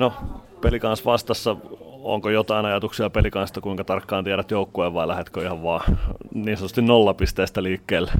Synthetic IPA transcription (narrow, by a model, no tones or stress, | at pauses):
nopelikɑnsʋɑst̪ɑsːɑo̰ŋkojot̪ɑinɑjɑt̪uksiɑpelikɑnst̪ɑkuiŋkɑt̪ɑrkːɑːnt̪iæɾæt̪joukːueːʋʋɑilæhet̪køihɑʋʋɑːniːnsont̪ust̪innolːɑpist̪eːst̪æliːkːeːlː